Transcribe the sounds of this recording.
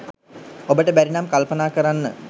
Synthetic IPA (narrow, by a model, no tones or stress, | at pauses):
obəʈəbæɾinamkalpənaːkəɾanːə